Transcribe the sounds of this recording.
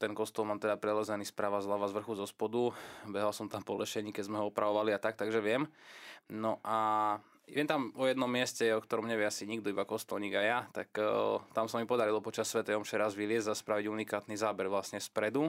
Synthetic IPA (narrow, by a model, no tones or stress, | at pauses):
t̪ɛnkɔst̪ɔlˠmaːmt̪ɛd̪apɾɛlɛzɛnispɾaːʋazɦlaʋazʋr̩xuzɔspɔd̪ubɛɦalsɔmt̪ampɔlɛʃɛɲiːkɛɟzmɛɦɔɔpɾʔaʋɔʋaliat̪ak̚t̪aɡʒɛʋɪɛm | nɔʔa | ɛnt̪amɔjɛd̪nɔmːɪɛscɛɔkt̪ɔɾɔmɲɛʋɛasiɲiɡ̚d̪ɔibakɔst̪ɔlɲiːɡajat̪akt̪amsamipɔd̪aɾilɔpɔt͡ʃasːʋɛt̪ɛjɔmft͡ʃɛɾazʋilɪɛzzaspɾaʋiɟunikaːt̪nizaːbɛɾʋlasɲɛspɾɛd̪u